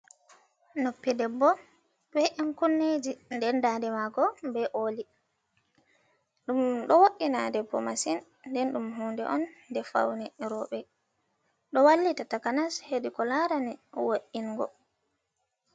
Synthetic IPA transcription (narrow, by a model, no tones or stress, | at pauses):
nopːidɛbːɔ | bɛʔɛnkunːed͡ʒindɛndadɛmaɡɔbɛʔoːli | ɗumɗɔwoɗina̰dɛbɔ̰masinː | dɛnɗumɦuːndɛ̰ʔɔnːdɛfa̰wnɛɾɔɓɛ | ɗɔwalːitatakanasheɗikɔlaɾanɛwoʔiŋɡɔ̰